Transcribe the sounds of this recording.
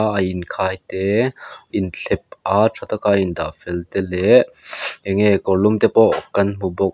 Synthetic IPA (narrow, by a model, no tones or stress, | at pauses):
ʔɐjʔinkʰaːjt̪ɛʔint͡ɬʰɛp̚ʔat͡sʰɔt̪akaːʔind̪a̰ʔfɛlt̪ɛlɛ | ɛŋɛkɔɹlumt̪ɛpɔʔkɐnm̥ubɔk̚